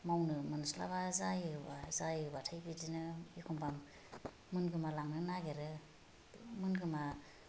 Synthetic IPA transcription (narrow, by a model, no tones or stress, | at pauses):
mawnɯmɯnsla̰bazajɯbazajɯbatʰajbidinɯikʰɔmbʰamː | ɯnɡɯmalaŋnɯnaɡeɾɯ | mɯnɡɯma